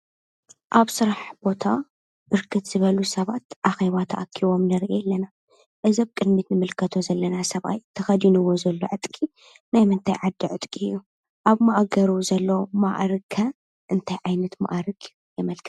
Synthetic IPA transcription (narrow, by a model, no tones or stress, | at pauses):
ʔaβsɨɾaħb̥o̞t̪ʰa | b̥ɨɾkʰɨt̪z̥ɨβɐlusɐβat̪ʔaxeβat̪ʰɐʔakʰːiβo̞mnɐɾʔelːɐna | ʔɨzɐβkʼɨd̪mit̪nɨmɨlkʰɐt̪ʰo̞zɐlːɐnasɐβʔa̰jt̪ʰɐxɐd̪inɨwo̞zɐlːo̞̰ʕɨt̪ʼkʼi | najmɨnt̪ʰajʕad̪ːiʕɨt̪ʼkʼiɨjːu | ʔaβmaʔaɡɐɾuzɐlːoma̰ʔɾɨkʰːɐ | ʔɨnt̪ʰajʕajnɐt̪ma̰ʔaɾɨkʰʼjujɛmɐlkʰɨ̥